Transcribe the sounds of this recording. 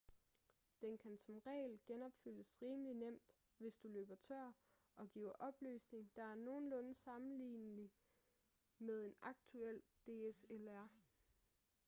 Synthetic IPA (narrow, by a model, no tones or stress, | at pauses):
d̥enkʰænsɒ̽mʁɛ̰ːɪlɡ̥enɒ̽b̥fyl̰əsʁiːməlinem̰d̥ | ʋe̝sd̥ulø̰ːb̥ɐt͡sʰɶɐ̰ | ɒ̽ɡ̥ḭːʊɐʔɒ̽b̥ly̰ːsne̝ŋd̥ɑ̈æɐno̝ːn̩lɔ̽nəsɑ̈mn̩lḭːnəli | með̞ˠe̝nɑ̈ɡ̥̚t͡sʰuel̰d̥e̝ːeselæɐ̰